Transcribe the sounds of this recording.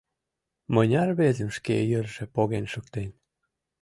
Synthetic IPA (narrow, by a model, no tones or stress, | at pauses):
mɤnʲɑrβezə̆mʃkejə̆rʒĕpoɣenʃəkt̪enʲ